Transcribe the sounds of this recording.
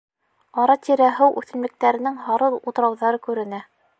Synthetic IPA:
ɑɾɑt̪ʲiɾæɦɘwʔʉ̰θɘ̆nmɘ̆k̚t̪æɾɘ̆nɘŋhɑɾɤlˠut̪̆ɾɑwðɑɾɤkʉɾɘ̆næ

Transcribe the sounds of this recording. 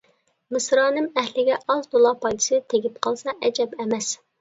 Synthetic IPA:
mɨsɾɑːnɨmæhlɪɡʲɛʔɑzd̪olˠɑpʰɑjd̪ɨ̥sɨɪt̪ʰeɡʲip̚qʰɑlˠsɑʔɛd͡ʒɛbɛmɛs

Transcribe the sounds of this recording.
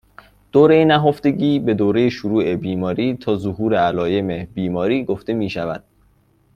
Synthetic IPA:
d̪̥oːɾejenæɦoft̪e̞ɟiːbe̞d̪oːɾe̞jeʃuɾuːʔe̞biːmɒːɾiːt̪ʰɒːzoɦuːɾeælɒːje̞mebiːmɒːɾiːɡoft̪e̞miːʃævæd̪̥

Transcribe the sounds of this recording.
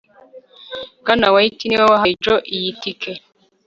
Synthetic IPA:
ɡanawaitiniwawaɦad͡ʒoʔijitike

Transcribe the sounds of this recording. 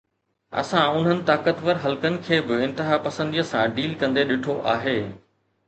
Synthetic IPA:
ɐ̰sãʊn̤ɦənɪ̆t̪aːkət̪ʋəɾɦɐlkənɪ̆kʰeːbɪɪ̃nt̪ɪɦapɐsə̃nd̪ijəsãɖiːlkɐ̃nd̪eɗɪʈʰoʔa̰ːɦeː

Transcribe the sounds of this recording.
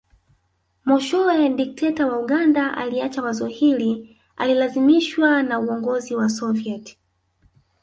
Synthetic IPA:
mɔʃɔɛdik̚tʰɛtawauɠandaʔa̰liat͡ʃamazɔhili | a̰lilazimiʃwanauɔŋɡɔziwasɔviɛt

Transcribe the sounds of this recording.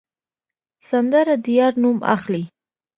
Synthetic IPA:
sand̪aɾad̪ijɑɾnuma̰xli

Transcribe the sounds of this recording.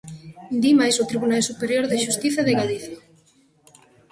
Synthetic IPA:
nd̪imajsʊt̪ɾiβunalsupeɾjoɾðeʃust̪iθɐðeɣaliθja

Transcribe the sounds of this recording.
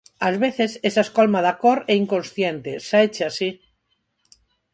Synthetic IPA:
azβeθesesaeskolmaðakoɾɛiŋkõnsθjent̪esaet͡ʃeasi

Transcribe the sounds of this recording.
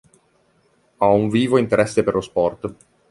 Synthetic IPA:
auɱviːvoint̪eɾɛsːeperlospɔrt̪

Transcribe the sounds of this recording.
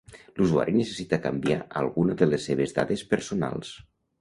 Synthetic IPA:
luzua̰ɾʔinəsəsit̪əkambia̰ʔəlˠɣunəðəlesːeβ̞ezða̰ðespəɾsuna̰lˠs

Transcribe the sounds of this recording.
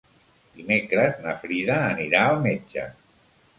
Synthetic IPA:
d̪̥imekɾəznəfɾiðəːniɾaəlˠmed͡ʒə̰

